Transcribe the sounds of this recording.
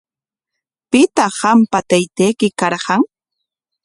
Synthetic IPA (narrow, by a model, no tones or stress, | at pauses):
pɪt̪ɑɢɑmpat̪ajt̪ejkɪkɑɾɢɑŋ